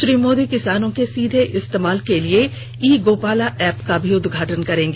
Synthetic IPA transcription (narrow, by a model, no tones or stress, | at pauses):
ʃɾiːmoːd̪ikɪsaːnõkesiːd̪ʱeʔɪst̪eːmaːlkelie | iːɡoːpaːlaʔɛːpkabʱiʊd̪ɡʱaːʈənkɐɾẽːŋɡe